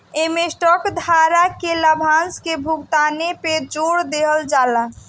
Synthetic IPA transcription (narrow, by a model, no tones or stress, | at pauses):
emesʈɔkd̪ʱaɾakeləbʱãnskebʱuɡt̪aneped͡ʒoɽd̪eɦəld͡ʒala